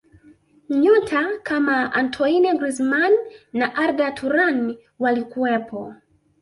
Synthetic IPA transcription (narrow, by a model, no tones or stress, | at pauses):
ɲɔtʰakʰamaantʰɔinɛɡɾizmanːaʔaɾdatʰuɾan | walikuɛpʰɔ